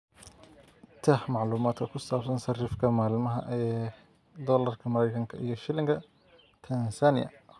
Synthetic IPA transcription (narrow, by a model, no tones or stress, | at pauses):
t̪ʰɐhmɑʕluːmaːd̪kʰɐkʰʊsaːbsɐnsɐriːfkʰɐmaːlmɐɦɐʔɛː | d̪ɔːlɐrkʰɐmɐɾɛjkʰɐŋkʰɐʔijɞʃɪlɪŋkʰɐ | t̪ʰɐnsanɪ̰jɐ̰